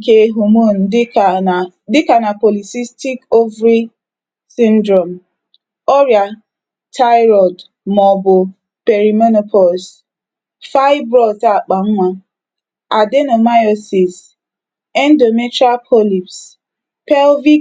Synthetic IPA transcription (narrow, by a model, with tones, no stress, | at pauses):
ke˦ɦu˨mo˦˨n̩˨d | dɪ˦ka˨na˨po˨li˨si˦sti˦ko˦vɾi˦ | sĩ˦ndɾɔ˨m | ɔ˦ɾja˨ | tʰa˦ɪ˦ɾɔ˨d | mɔ˨bʊ˨ | pe˨ɾi˨mɔ˦no˨pʰɔ˨ls | fa˦ɪ˦bɾɔ˦˨ta˦˨k͡pa˨ŋ̩˦ŋʷa˦ | a˨de˦no˨ma˦jɔ˦si˨s | ɛ˦n˦do˨me˦tɾa˦pʰo˦li˨ps | pɛ˦lvi˦